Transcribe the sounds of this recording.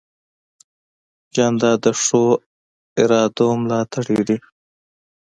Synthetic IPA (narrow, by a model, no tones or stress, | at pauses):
d͡ʒɑnd̪ɑd̪əʂo | ɪɾɑːd̪omlɑt̪əɽid̪i